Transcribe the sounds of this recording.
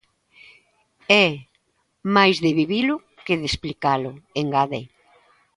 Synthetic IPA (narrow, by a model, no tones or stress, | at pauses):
ɛ | majzðɪβiβilʊ | keðesplikalʊeŋɡaðe